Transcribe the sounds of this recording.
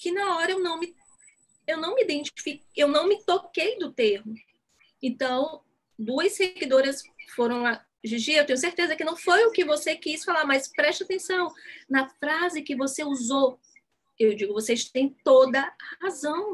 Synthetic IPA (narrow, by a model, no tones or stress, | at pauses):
kɪnɐɔɾɐewnɐ̃w̃mɪ | ewnɐ̃w̃mɪid̪ẽt͡ʃi̥fikewnɐ̃w̃mɪt̪okejd̪ʊt̪ehmʊ | ẽt̪ɐ̃w̃ | d̪uɐsseɡid̪oɾɐsfoɾɐ̃w̃a | ʒiʒiɐewt̪ẽɲ̃ʊseɾt̪ezɐkɪnɐ̃w̃fojʊkɪvosekisfalaɾmɐspɾɛʃt͡ʃat̪ẽsɐ̃w̃nɐfɾazɪkɪvoseuzow | ewd͡ʒiɡʊvoseʃt̪ẽj̃t̪od̪ɐhazɐ̃w̃